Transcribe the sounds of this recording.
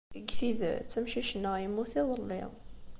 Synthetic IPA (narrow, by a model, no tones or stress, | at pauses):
əɡθið̰t͡sːəmʃiʃənːəʁjəmːuθiðˤəlːḭʁ